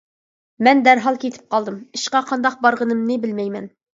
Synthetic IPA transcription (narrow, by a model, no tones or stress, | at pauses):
mɛnd̪æɾɦɑlˠkʲʰet̪ʰɪ̥p̚qʰɑlˠd̪ɨmiʃqɑqʰɑnd̪ɑq̚bɑɾʁənɨmnɨbɪlmɛjmɛn